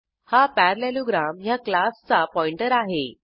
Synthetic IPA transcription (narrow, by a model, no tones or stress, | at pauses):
hapæɾleloɡɾamjaklast͡sapɔiɳʈəɾaɦe